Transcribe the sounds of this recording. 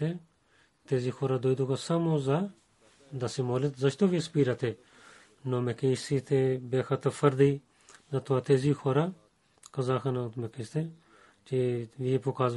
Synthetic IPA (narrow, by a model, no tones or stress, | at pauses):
e | t̪eːziːkʰoːɾaːd̪oːjd̪ukasamoːza | d̪ɐsimoːlɪt̪zɐt͡ʃt̪oʋispiːɾat̪ʰe | noːmekesiːt̪ʰebeːxɐt̪əfɐɾd̪i | zɐt̪ʰoaːt̪eːziːxʰoːɾa | kɐzaːkʰɐnat̪mekest̪e | t͡ʃiʋipukaːz